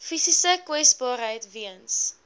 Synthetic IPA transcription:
fisisəkwɛstbɑːɾɦəjtviəns

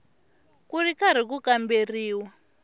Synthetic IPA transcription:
kuɾikaɾ̤ikukamberiːwa

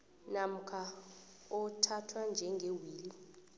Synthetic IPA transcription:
nam̩kʰa | ɔtʰatʰwand͡ʒʱɛŋɡʱewiːli

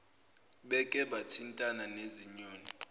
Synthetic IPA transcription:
ɓɛkʼɛɓatʰintʼananeziɲoːni

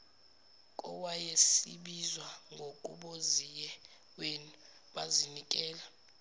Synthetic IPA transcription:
kʼɔwajesḭɓizwaŋɡʱokʼṵɓozijɛ | wenu | ɓazinikʼɛːla

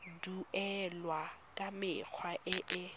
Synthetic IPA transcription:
duɛlwakʼamɪk͡xʰwaʔɪʔɪ

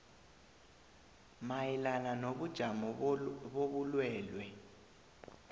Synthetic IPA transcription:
majilananoɓud̥ʒ̥ʱamɔɓoβulwɛːlwɛ

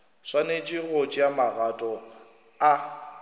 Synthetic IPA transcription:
swanet͡ʃʼiɣot͡ʃʼɪjamaɣatʼɔ | a

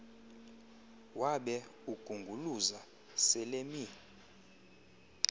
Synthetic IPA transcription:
waɓɛuɡ̥ʱuŋɡʱuluza | sɛlemi

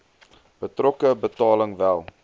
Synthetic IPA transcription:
b̥ətrɔkəbətɑːləŋvælˠ

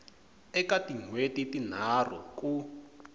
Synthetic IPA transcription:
ɛkatiŋwetitin̤ar̤ɔ̰ku

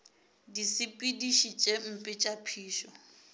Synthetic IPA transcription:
disɪpʼidiʃit͡ʃʼem̩pʼɪt͡ʃʼapʰiːʃɔ

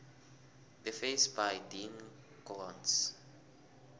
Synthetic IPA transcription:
ðəfesbajdĩn | kɔlɔ̃ns

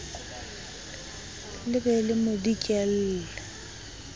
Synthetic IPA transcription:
lɪbɛlɪmʊdikʼɛl̩ːlɛ

